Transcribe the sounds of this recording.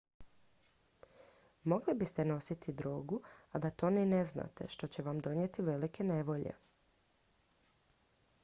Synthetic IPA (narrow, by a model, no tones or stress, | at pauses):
mo̞ɡlibist̪e̞no̞sit̪ʰid̪ɾoːɡuad̪at̪o̞nene̞zna̰t̪e̞̰ʃt̪o̞t͡ɕe̞ʋamd̪o̞njet̪iʋe̞like̞ne̞ʋo̞ʎḛ